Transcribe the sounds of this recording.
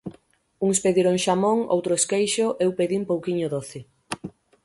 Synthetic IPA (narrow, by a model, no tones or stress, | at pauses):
uŋspeðiɾoŋʃamoŋo̰wt̪ɾʊeskejʃʊʔewpeðimpowkiɲʊðoθɪ